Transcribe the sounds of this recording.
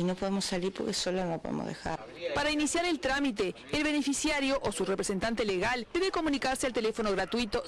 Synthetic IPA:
inopoðemosaliɾpoɾkesolonopoðḛmo̰zðḛxa̰ | paɾainisjaɾe̞lt̪ɾamit̪e̞ːlβe̞nefisjaɾjo̞ʔosurepɾese̞nt̪ant̪eleɣalpeðeko̞mũnikaɾsealt̪elefo̞noɣɾat̪wit̪o̞

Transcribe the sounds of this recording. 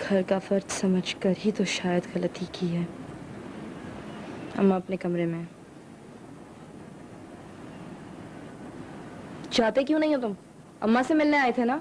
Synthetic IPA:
ɡʱɐɾkafɐɾd̪sɐməd͡ʒʱkɐɾit̪oʃaːjəd̪ɣɐlət̪ikʰiɦɛː | ɐ̰mːãɐpnekɐmɾemẽ | t͡ʃaːt̪ek̬jũnɐɦĩɦot̪ʊm | ɐ̰mːãsemɪlneaːet̪ʰenaː

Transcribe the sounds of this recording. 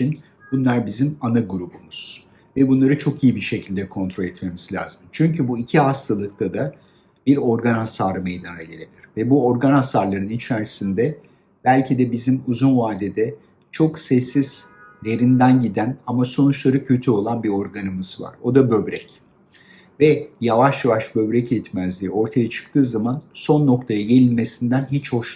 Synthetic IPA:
t͡ʃin | b̥unlˠaɾbizimanaɡuɾubumuz̥ | vɛbunlˠaɾɯt͡ʃʰo̞kijibiʃe̞cʰilʲd̪ɛkʰo̞nt̪ʰɾo̞lʲɛt̪me̞miz̥lʲa̰ːzɯmt͡ʃʰyɲcʰybuicʰiɦast̪ʰalˠɯk̚t̪ʰad̪a | biɾo̞ɾɡanasaːɾɯmejd̪anaɟe̞lʲebilʲiɾvɛbuo̞ɾɡanasaɾlˠaɾɯnit͡ʃʰæɾsind̪ɛ | b̥ælʲcʰid̪ɛbizimuzunvaːd̪ed̪ɛ | t͡ʃʰo̞ksɛsːiz̥ | leɾind̪ænɟid̪ænamaso̞nut͡ʃlˠaɾacʰø̞t̪ʰyo̞lˠanbio̞ɾɡanɯmɯz̥va̰ɾo̞d̪abø̞bɾɛ̰c | vɛjavaʃjavaʃbø̞bɾɛcɛt̪mæzlʲiːo̞ɾt̪ʰajat͡ʃʰɯ̥k̚t̪ʰɯːzamanso̞nːo̞kt̪ʰajaɟe̞lʲilʲme̞sind̪ænɦit͡ʃho̞ʃ

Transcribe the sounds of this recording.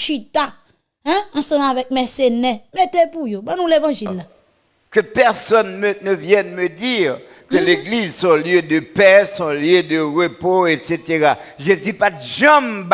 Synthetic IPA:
ʃit̪a | ɛ̃ɑ̃sʌ̃mavɛk̚mɛsenɛmet̪epujobãnũlevɑ̃ʒilːa | kəpɛʁsɔnmənəvjɛnmədiʁ | kəleɡlizsɔ̃ljød̪əpɛsɔ̃ljød̪əʁəpoeset̪eʁaʒezypatʒãmb

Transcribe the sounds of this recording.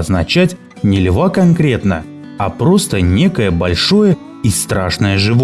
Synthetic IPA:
ɐznɐt͡ɕætʲ | nʲɪlʲvakɐnkɾʲe̞t̪nə̰ | ɐpɾo̞st̪ənʲe̞kəjəbɐlʲʂo̞jə | ist̪ɾaʂnəjəʐɨv

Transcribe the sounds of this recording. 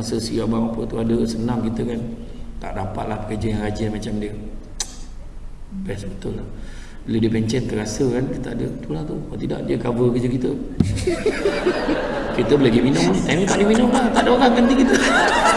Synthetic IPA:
masəsiabamapət̪uadəsənaŋkit̪əkant̪a̰ʔdapat̪̚lahpə̥kərd͡ʒajaŋɡad͡ʒamat͡ʃamdiə | bɛsbət̪ʊlːah | bəlodipɛɲt͡ʃɛnt̪ərasəkankit̪əadət̪ulaht̪ukat̪ida̰ʔdiəɡavəkəd͡ʒəkit̪ə | kit̪əbəleɡiminʊŋt̪ant̪aʔdiminʊŋlaht̪aʔdəoɾaŋkand̪ikit̪ə

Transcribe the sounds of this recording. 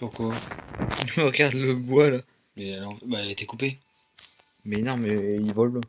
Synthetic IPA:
puʁkwailməʁəɡaʁd̪ləbwala | mɛnɔ̃baɛlet̪ɛkupe | mɛnɔ̃mɛilvɔl

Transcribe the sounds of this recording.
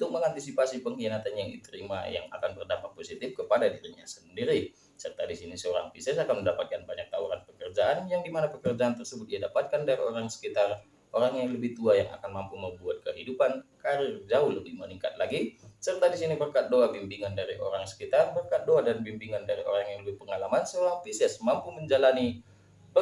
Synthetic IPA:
unt̪ʊk̚məŋant̪isipasipəŋhinat̪anjaŋit̪əɾima̰ja̰ŋa̰kanbərdampat̪̚posit̪ɪfkəpadadiɾiɲa̰səndiɾi | sərt̪adisinisəoɾa̰ŋpisɛsakanməndapat̪̚kanbaɲak̚t̪auɾanpəkərd͡ʒaʔanjaŋdimanapəkərd͡ʒaant̪ərsəbʊt̪̚iadapat̪̚kandaɾioɾaŋsə̥kit̪ar | ʔoɾaŋjaŋləbɪht̪uajaŋa̰kanmampuməmbuat̪̚kəɦidupankaɾɪrd͡ʒaʊhləbɪhməniŋkat̪̚laɡisərt̪adisinibərkat̪̚doabimbiŋandaɾiʔo̰ɾaŋsə̥kit̪arbərkat̪̚doadanbimbiŋandaɾio̰ɾaŋjaŋləbɪpəŋalamansəoɾaŋpisɛsmampuməɲd͡ʒalani | ə

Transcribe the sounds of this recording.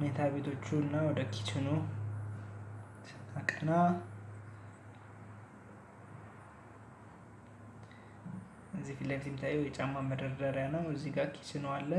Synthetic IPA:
met̪ʰabe̞t̪ʰo̞t͡ʃːuɨnːawɔd̪əkʰi̥t͡ʃɪnu | t̪ʰnakʼəna | ɨzːifilːəfit̪jɛmit̪ʰajːɛwjɛt͡ʃʼamːaməd̪əɾd̪əɾjanːawəzːiɡakʰi̥t͡ʃɨnwalːə

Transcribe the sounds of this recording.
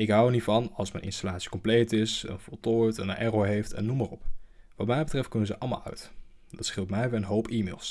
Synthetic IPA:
ɪkɦɑwənitfɑnɑlˠsmɛjnʔɪ̰nstalaːtsi̥kɔmplejtɪsə̰nfɔlˠtʊjtɛnnʔɛroɦejftɛ̰nːumərɔpʋɑtmɛjbətrɛft̚kɵnənzəʔɑlˠma̰lˠœ̰ɥtdɑtsχɪlˠtmɛjʋiənɦowpiːmḛːlˠs

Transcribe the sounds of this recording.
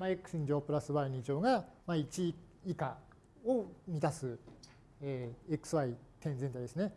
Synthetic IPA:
maekɯ̟̥sĩɲ̟d͡ʑoːpɯ̟ɾasɨβaɾɯ̟ɲʲĩd͡ʑo̞ːɡamait͡ɕiː | ka | omʲit̪asɨ | eːekɯ̟̥sɨβait̪ẽ̞nd͡zent̪aid̪e̞sɨne̞

